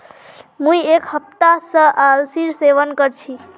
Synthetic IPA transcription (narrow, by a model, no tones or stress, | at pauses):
mũjekhəp̚t̪asə̃ʔalsiɾseʋənkəɾt͡ʃʰi